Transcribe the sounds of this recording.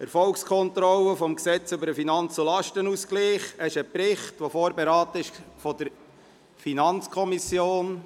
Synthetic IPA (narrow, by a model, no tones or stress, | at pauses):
ɛɾfɔlkskʰɔnt̪ɾɔləfɔmksɛt͡sʏbəɾəfinɑnt͡sulɑʃtənuskliːχɛʃəpɾɪχtʋofoːɾbeɾɑːtəɪʃfɔd̪əɾ | finɑnt͡skʰɔmisjoːn